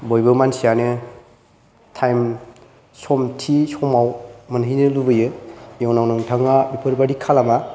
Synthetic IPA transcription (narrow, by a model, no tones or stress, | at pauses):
bojbɯmansijanɯ | tʰajm | sɔmtʰisɔmawmɐnɦinɯlubɯjɯjawnawnɯŋtʰaŋabipʰɯɾbadikʰalama